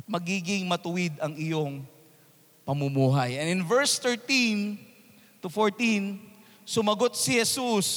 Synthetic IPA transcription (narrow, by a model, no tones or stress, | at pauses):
t̪̚mɐɡiːɡɪŋmɐt̪ʊwɪd̪ɐŋɪjoŋ | pɐmumuːɦɐjʔɐnɪnvɛɹst̪ɛɹt̪in | t̪ʊfoɹt̪in | sʊmɐɡot̪̚sɪhɛsus